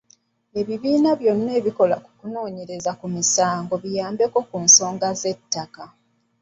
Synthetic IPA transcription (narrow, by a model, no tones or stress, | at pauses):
e̞βiβiːnaβjo̞nːe̞ːβiko̞laku̥kuno̞ːɲe̞ɾe̞zakumisaːŋɡo̞βijaːmbe̞ko̞kunso̞ːŋɡaze̞tːaka